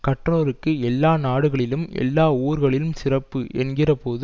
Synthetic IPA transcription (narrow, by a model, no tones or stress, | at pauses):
kɐʈroːɾɯkːɯɛlːaːnaːɽɯɣɐɭɪlɯmɛ̰lːaːuːɾɣɐɭɪlɯmsɪrɐpːɯʔɛnɡɪrɐpoːðɯ